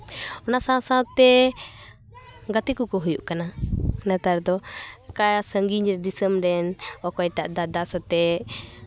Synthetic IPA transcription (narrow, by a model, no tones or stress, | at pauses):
ɔnasãsãt̪ːɛ | ɡat̪ikukɔɦujṵʔkananat̪aɾd̪ɔkajasəŋɡiɲɾɛd̪isəmɾɛnɔkɔjʈaʔd̪aʔd̪asɔt̪ɛ